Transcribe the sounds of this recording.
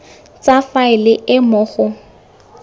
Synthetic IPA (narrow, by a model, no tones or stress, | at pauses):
t͡safaɪlɪʔɪmʊːχʊ